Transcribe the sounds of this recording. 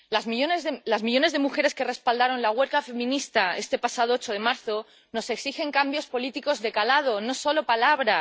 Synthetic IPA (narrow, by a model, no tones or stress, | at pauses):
lazmionlazmiʎo̞ne̞zðe̞muxe̞ɾe̞ske̞re̞spald̪aɾo̞nlaɣwe̞ɾkafe̞mĩnist̪ae̞st̪e̞pasaðoot͡ʃoð̞e̞maɾθo̞ | no̞se̞ksixe̞ŋkambjo̞spo̞lit̪iko̞zðe̞kalað̞o̞no̞so̞lo̞palaβɾa